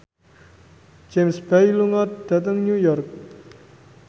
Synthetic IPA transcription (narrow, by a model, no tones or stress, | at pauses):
d͡ʒemsb̥ajluŋɔt̪̚d̪̥a̤t̪əŋnujɔrk̚